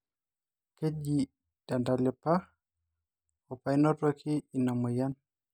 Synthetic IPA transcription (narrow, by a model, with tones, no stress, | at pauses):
ke˦d͡ʒi | d̥andalɛ˨pa | ɔpa˨jnɔ˦tɔkʰi˦i˨na˨mɔ˨jan